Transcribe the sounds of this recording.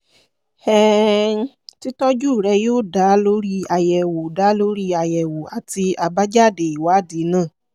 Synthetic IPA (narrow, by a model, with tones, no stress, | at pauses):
ɛ˦ | ti˦tɔ˦d͡ʒu˦˨ɾɛ˧joː˦˨da˨˦lo˦ɾi˦a˧jɛ˨wo˨da˨˦lo˦ɾi˦a˧˨jɛ˨wo˨a˨ti˧a˧ba˦d͡ʒa˦˨de˨i˨wa˨˦˨di˨˦nãː˦˨